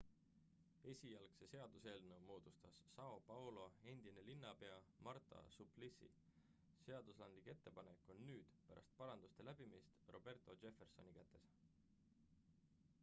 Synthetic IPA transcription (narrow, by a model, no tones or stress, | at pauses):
e̞sʲijɑlkse̞se̞ɑd̪̥use̞ːlnumo̞ːd̪̥ust̪ɑsːɑo̞pɑwlo̞e̞nd̪̥ine̞linːɑpe̞ɑmɑrt̪ˑɑ̰suplisḭ | se̞ɑd̪̥uslɑnd̪like̞t̪ːe̞pɑne̞kːˑo̞nːyːd̪̥pæɾʔɑ̰st̪̚pɑɾɑnd̪ust̪e̞læb̥imist̪ro̞b̥e̞rt̪ˑo̞d͡ʒe̞fe̞rso̞̰nikæt̪ˑːe̞s